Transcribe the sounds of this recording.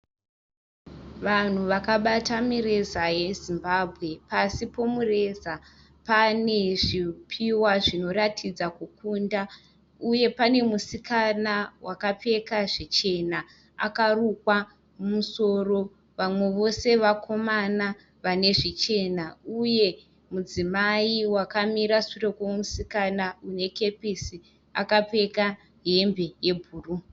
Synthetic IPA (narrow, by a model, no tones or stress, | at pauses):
ʋan̤uʋakaɓatamiɾe̞zaje̞zimbabʱɣe̞pasipo̞mure̞za | pane̞ʐipʰiwaʐino̞ɾatʰid͡zakukunda | uje̞pane̞musikanawakape̞kaʐet͡ʃe̞na | a̰karukwa | mumuso̞ro̞ | ʋamwe̞ʋo̞se̞ʋakʰo̞mana | ʋane̞ʐit͡ʃe̞nauje̞ | mud͡zimaiwakamiɾasurekwomusikanaune̞ke̞pesi | a̰kape̞ka | ɦembe̞je̞bʱuːru